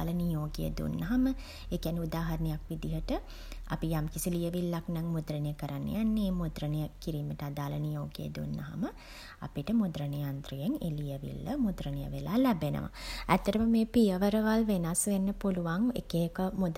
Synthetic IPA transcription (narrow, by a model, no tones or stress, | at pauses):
lənijoːɡejə̰d̪ṵnːɐɦamə | ekjaniud̪aːɦaɾnejakʋid̪iɦəʈə | a̰pijamkisilijəʋilːaknaŋmud̪ɾənejəkəɾanːə̰janːeːmud̪ɾənejəkiɾiːməʈəad̪aːlənijoːɡḛjə̰d̪unːə̰ɦa̰mə | a̰piʈəmud̪ɾənejant̪ɾujeŋḛːlijəʋḭlːə̰mud̪ɾənəjə̰ʋelaːlæbenə̰ʋa̰æt̪ːəʈəməmeːpijəʋəɾəʋalʋenasʋenːəpuluʋaŋḛkekəmud̪